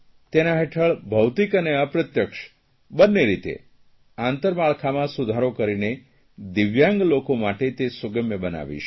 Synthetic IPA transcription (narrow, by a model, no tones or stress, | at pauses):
t̪enaɦeʈʰəɭbʱəwt̪ikəneəpɾət̪jəkʃ | bənːeɾit̪ḛ | ãnt̪əɾmaɭkʰamãsud̪ʱaɾokəɾine | d̪iʋjãŋɡlokomaʈet̪esuɡəmjəbəna̰ʋḭʃ